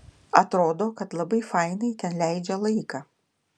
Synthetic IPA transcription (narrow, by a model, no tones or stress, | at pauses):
ɐt̪ɾoːd̪oːkɐt̪lˠɐbɐɪfɑɪnɐɪt̪ʲɛnlʲæɪd͡ʒʲɛlˠɐɪkɑ